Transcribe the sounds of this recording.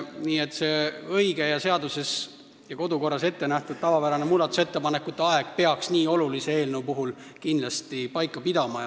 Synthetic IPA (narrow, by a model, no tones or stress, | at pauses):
niːet̪ːˑse̞ɤjɡe̞jɑse̞ɑd̪use̞s | jɑko̞d̪uko̞rːɑse̞t̪ːe̞næht̪ud̪̥̚t̪ɑvɑpæɾɑnemuːld̪ɑt̪ːˑu̥se̞t̪ːe̞pɑnekːˑut̪ˑːeɑeɡ̥̚pe̞ɑksniːo̞lulisee̞ːlnewpuɦulkind̪lɑst̪ipɑjkːˑɑpid̪̥ɑmɑj